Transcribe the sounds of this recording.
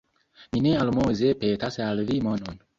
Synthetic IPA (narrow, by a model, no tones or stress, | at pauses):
minealmozepetasallimonon